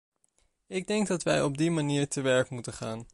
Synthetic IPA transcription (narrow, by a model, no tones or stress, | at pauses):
ɪɡ̚dɛŋɡ̚dɑtʋɛjɔb̚dimaniːɹtəʋɛɹkmutənχaːn